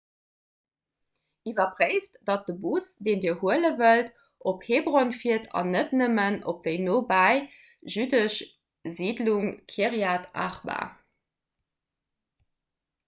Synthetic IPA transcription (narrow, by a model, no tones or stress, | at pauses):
ivɐbʁeɪftd̥ɑt̚dəbusd̥eːndiːəhuələvəlt | ʔopheːbʁonfiətʰɑ̰nətnəməno̰p̚d̥eɪnoːbaɪ | ʒydəʃ | ziːdluŋkʰiəʁjaːta̰χba̰